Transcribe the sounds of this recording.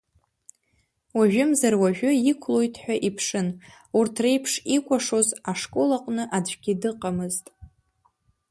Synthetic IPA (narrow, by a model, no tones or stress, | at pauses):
waʒᶣʊmzarwaʒᶣʊikʷʰlo̞jtʰʼħʷᶣaʔipʰʂɨn | urtʰre̞jpʰʂikʷʰʼaʂo̞zaʂkʼolaqʷʼnɨʔad͡ʒʷɡʲɪdɨqʼamɨztʼ